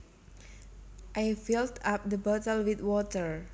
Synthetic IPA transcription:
ʔajfiltap̚d̪əbat̪əlwit̪wɔt̪əɹ

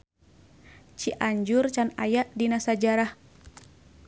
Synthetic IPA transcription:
t͡ʃiʔaɲd͡ʒurt͡ʃana̰jaʔdinasad͡ʒaɾah

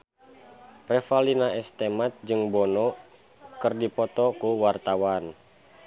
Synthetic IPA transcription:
rɛfalinaɛst̪emat̪̚d͡ʒɨŋbɔnɔ | kɨrdipɔt̪ɔkuwart̪awan

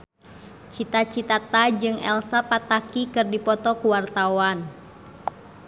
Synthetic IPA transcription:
t͡ʃit̪at͡ʃit̪at̪ad͡ʒɨŋɛ̰lsapat̪akikɨrdipɔt̪ɔkuwart̪awan

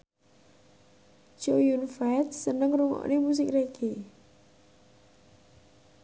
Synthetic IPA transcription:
d͡ʒojunfaɪt̪̚sənəŋruŋɔ̰ʔnemus̬ɪkrekʰe

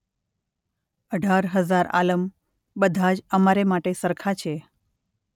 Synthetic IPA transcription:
əɖʱaɾɦəzaɾa̰ləm | bəd̪ʱad͡ʒəmaɾemaʈesəɾkʰat͡ʃʰe

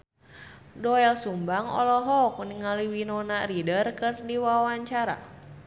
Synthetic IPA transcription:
dɔɛlsumbaŋɔ̰lɔɦɔk̚niŋaliwinɔnaridərkɨrdiwawaɲt͡ʃaɾa̰

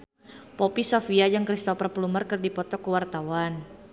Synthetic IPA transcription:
pɔpisofiad͡ʒaŋkɾist̪ɔpərplumərkɨrdipɔt̪ɔkəwart̪awan

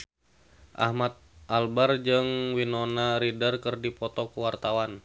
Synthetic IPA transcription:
ʔa̰hmat̪̚ʔalbard͡ʒɨŋwinonaɾidərkɨrdipɔt̪ɔkuwart̪awan

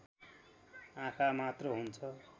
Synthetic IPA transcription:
ãkʰamat̪rʌɦunt͡sʰʌ

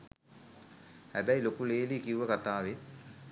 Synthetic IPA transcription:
hæbæilokuleːlikiuʋəkat̪aːʋe

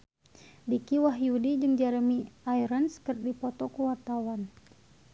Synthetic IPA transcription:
dikiwaɦjudid͡ʒəŋd͡ʒaɾəmiajɾənskərdipɔt̪ɔkuwart̪awan

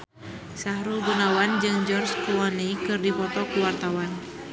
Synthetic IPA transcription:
sahɾubunawand͡ʒɨŋd͡ʒɔrskulɔnikɨrdipɔt̪ɔkuwart̪awan

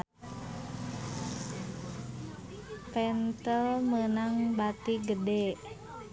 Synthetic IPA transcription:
pɛnt̪əlmənaŋbat̪iɡədɛ

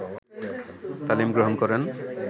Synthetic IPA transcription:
t̪alimɡɹɔɦɔnkɔɹɛn

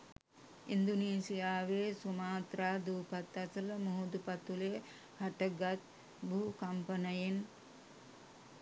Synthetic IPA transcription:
ind̪uneːsijaːʋeːsumaːt̪ɾaːd̪uːpat̪ːasələmoɦud̪upat̪ule | haʈəɡat̪̚ | bukampənəjen

